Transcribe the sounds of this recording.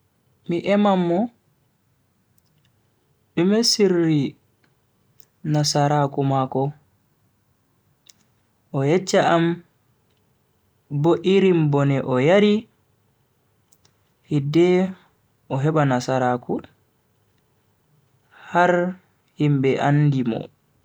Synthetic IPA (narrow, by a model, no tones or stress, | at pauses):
miʔɛmamːɔ | ʔumɛsirːi | nasaɾakumakɔ | ʔɔjɛt͡ʃːaam | boʔiɾimbɔnɛʔɔjaɾi | hidɛ | ʔɔɦɛbanasaɾaku | haɾ | himbɛʔandimɔ̰